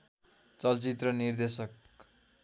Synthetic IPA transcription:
t͡sʌlt͡sit̪rʌnird̪esʌk

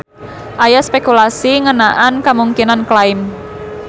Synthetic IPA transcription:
ʔajaspekulasiŋənaʔankamuŋkinanklaɪm

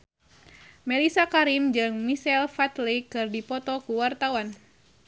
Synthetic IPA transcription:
mɛlisakaɾimd͡ʒɨŋmisɛlfat̪likɨrdipɔt̪ɔkuwart̪awan

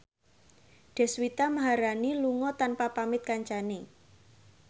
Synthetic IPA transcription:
ɖ̪̥ɛ̤swit̪amaɦaɾaniluŋɔt̪anpapamɪt̪̚kaɲt͡ʃane

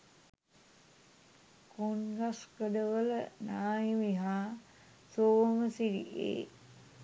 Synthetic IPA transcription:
konɡaskəɖəʋələnaːjimiɦaː | soːməsiɾḭʔḛː

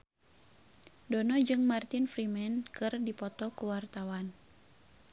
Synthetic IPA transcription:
dɔnɔd͡ʒɨŋmart̪infɾimɛnkɨrdipɔt̪ɔkuwart̪awan

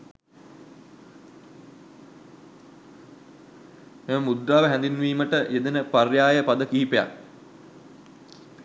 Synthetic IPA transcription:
heməmud̪ɾaːʋəɦɛ̃nd̪inʋiːməʈəʔed̪enəparjaːjəpad̪əkiɦipea̰k

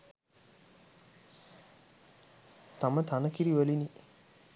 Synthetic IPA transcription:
t̪amət̪ʰanəkiɾiʋəlini

